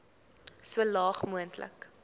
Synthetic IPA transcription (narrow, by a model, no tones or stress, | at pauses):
suəlɑːχmuəntʰlə̰k